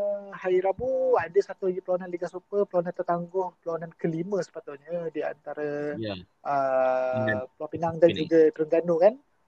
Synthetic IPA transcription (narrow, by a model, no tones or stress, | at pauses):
haiɾabuadəsat̪uaɡipəlawananliɡasupəpəlawanant̪ərt̪aŋɡʊhpəlawanankəlimə̃sə̥pat̪ʊʔɲədia̰nt̪aɾə | ʔə | plɔpinaŋdand͡ʒuɡət̪ɾəŋɡanokan